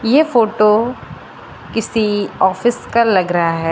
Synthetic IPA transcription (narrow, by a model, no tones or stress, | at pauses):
jefoːʈo | kɪsiɔːfɪskalɐɡɾɐɦaɦɛː